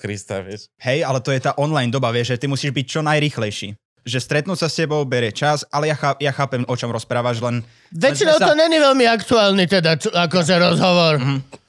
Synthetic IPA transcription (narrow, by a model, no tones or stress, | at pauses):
kɾist̪a̰fishɛjalɛt̪ɔjɛt̪aːʔɔnlajnd̪ɔbaʋɪɛʒʒɛt̪imusiːʒbic̚t͡ʃɔnajɾiːxlɛjʃiː | ʒɛst̪ɾɛt̪nuːsascɛbɔʊbɛɾɛt͡ʃasʔalɛjaxaːjaxaːpɛmʔɔt͡ʃɔmɾɔspɾaːʋaʒlɛn | ʋɛt͡ʃinɔʊɔɲɛɲiʋɛlmiakt̪uaːlnit̪ɛd̪at͡ʃakɔʒɛɾɔzɦɔʋɔɾɦ̩